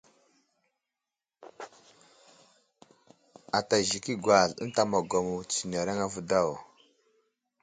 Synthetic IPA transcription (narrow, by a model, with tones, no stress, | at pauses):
a˨ta˨ʒi˨ki˦ɡwa˨ɮə̰˦n˦ta˦˨ma˨ɡa˨mu˨t͡si˨na˨ɾa˦ŋa˦vu˦da˦˨w